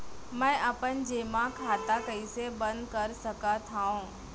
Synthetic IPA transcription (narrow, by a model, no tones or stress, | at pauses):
mɛ̃ːʔəpənd͡ʑeːmãkʰaːt̪akəisebə̃nd̪kəɾsəkat̪ʰaːõː